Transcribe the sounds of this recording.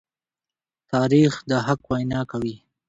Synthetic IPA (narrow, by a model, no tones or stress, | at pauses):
t̪ɑɾixd̪əɦakwajnɑkawi